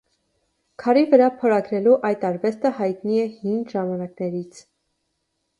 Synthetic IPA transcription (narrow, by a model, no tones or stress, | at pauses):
kʰɑɾivəɾɑpʰɔɾɑɡɾɛluʔɑjt̪ɑɾvɛst̪əhɑjt̪niɛhinʒɑmɑnɑknɛɾit͡sʰ